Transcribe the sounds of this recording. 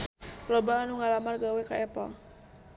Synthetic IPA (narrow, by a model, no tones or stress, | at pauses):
lɔbaːnuŋalamarɡawɛkaʔɛpɔ̰l